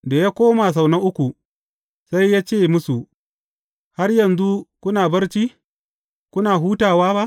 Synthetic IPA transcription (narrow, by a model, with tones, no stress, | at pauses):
da˨jaː˦kʷoː˦ma˨s̬a˨wnɐ˦ŋʔʊ˦kʷu˨ | sa˦jːaː˦t͡ʃeː˦˨mʊ˦su˨ʔ | ha˦rjɐ˨nzu˦kʷʊ˦naː˨bɐ˦rt͡ʃiː˦ | kʷʊ˦naː˨ɦuː˦taː˨waː˦ba˦ʔ